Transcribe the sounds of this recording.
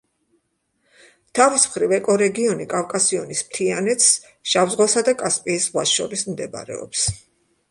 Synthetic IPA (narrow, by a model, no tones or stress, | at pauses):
t̪ʰavismχɾivɛkʼɔɾɛɡiɔnikʼafkʼasiɔnismt̪ʰianɛt̪s | ʃavzʁwasad̪akʼaspʼiːsʁwaʃɔɾismd̪ɛba̰ɾɛ̰ɔ̰ps